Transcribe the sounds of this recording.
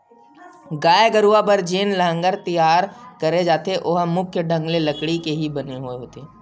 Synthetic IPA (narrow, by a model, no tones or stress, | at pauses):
ɡaːeɡəɾuabəɾd͡ʒeːnləɦə̃ŋɡəɾt̪ijaːɾkəɾed͡ʒaːt̪eʔoɦmʊkʰjəɖʱə̃ŋɡleləkɽikeɦibɐneɦueɦoːt̪eː